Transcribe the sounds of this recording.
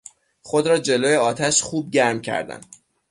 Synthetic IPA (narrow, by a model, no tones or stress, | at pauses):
χo̞d̪ɾɒːd͡ʒe̞loːjeɒːt̪ʰæʃxuːb̚ɟæɾmcʰæ̰ɾd̪æ̰n